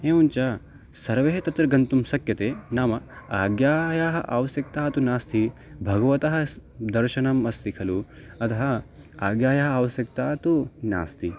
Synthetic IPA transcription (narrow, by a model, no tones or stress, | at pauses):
eːunt͡ʃa | sɐɾʋeɦet̪ɐt̪ɾɐɡɐnt̪umsɐkjɐt̪eːnaːmɐaːɡjaːjaːɦɐʔaʋɐsjɐk̚t̪aːɐt̪unaːst̪ʰi | bʱɐɡɐʋɐt̪ɐɦɐ̆d̪ɐɾʃɐnɐmɐst̪ʰikʰɐlu | ɐt̪ʰɐɦɐ | aːɡjaːjɐɦɐaːʋɐsjɐk̚t̪aːt̪una̰ːst̪ʰi